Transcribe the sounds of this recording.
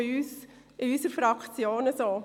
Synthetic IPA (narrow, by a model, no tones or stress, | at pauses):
ɪyːs | ɪysəɾfɾɑkʰt͡sjoːnəsoː